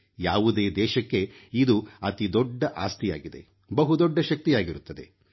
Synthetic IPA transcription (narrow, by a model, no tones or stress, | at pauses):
jaːʋud̪e̞ːd̪ɛːʃɐkːe̞ | id̪uɐt̪id̪ɔɖːɐʔaːst̪ija̰ːɡid̪e̞̰ | bɐɦud̪ɔɖːɐʃɐk̚t̪ijaːɡiɾut̪ːɐd̪e̞̰